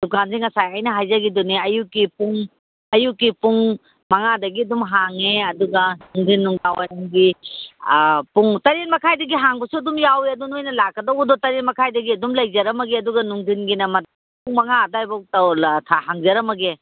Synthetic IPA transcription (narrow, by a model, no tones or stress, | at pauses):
dukanziŋɐsajajnɐɦajzɐɡidɔniɐjukːipuŋ | ɐjukːipuŋ | mɐŋadɐɡiɐdumɦaŋeɐduɡɐnuŋdʱinːuŋɡawajŋɡi | puŋtɐɾenmɐkʰajdɐɡiɦaŋbɐsuɐdumjaweɐdunojnɐlakːɐdowbɐdɔtɐɾenmɐkʰajdɐɡiɐdumlɐjzɐɾɐmɐɡiɐduɡɐnuŋdʱinɡinɐmɐda | puŋmɐŋadajbɔk̚tɐwltʰaɦaŋzɐɾɐmɐɡe